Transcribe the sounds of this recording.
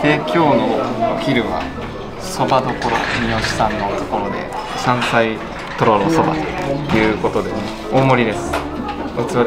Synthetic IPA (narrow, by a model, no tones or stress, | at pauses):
t̪e̞ːkʲo̞ːnoçʲiɾɯ̟βa̰ | so̞bad̪o̞ko̞ɾomʲio̞ɕi̥sãnːo̞t̪o̥ko̞ɾo̞d̪e̞̰ | sãɰ̃sai | t̪o̞ɾonoso̞ba̰t̪o̥jɯ̟ːko̞t̪o̞d̪e̞ | oːmo̞ɾʲid̪e̞sɨ̥ | ɯt͡sɨβa